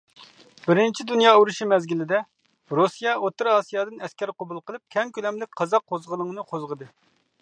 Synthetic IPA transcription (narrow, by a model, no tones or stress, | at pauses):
bɪɾɪnt͡ʃʰid̪unjɑːuɾuʃimɛzɡʲilɪd̪ɛ | ɾosijɑot̪ːɨɾɑːsijɑːd̪ɨnɛskʲɛɾqobulˠqəlˠɨp̚kʲʰɛŋkʲʰylɛmlɪk̚ʲqʰɑzɑqʰːozʁəlˠɨŋnɨqʰozʁəd̪ɨ